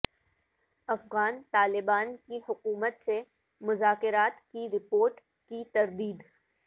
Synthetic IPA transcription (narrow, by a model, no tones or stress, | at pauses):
ɐfɣaːnt̪aːlɪbaːnkihʊkuːmət̪se | mʊzaːkɪɾaːt̪kiɾɪpoːɾʈ | kit̪ɐɾd̪iːd̪